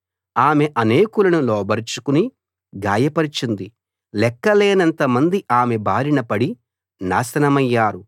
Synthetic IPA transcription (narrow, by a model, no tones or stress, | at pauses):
aːmeʔɐneːkulɐnulɔːbɐɾt͡ʃukuni | ɡaːjɐpɐɾit͡ʃind̪i | lɛkːɐleːnɐnt̪ɐmɐnd̪iʔaːmebaːɾinɐpɐɽi | na̰ːsɐnɐmɐjːaːɾu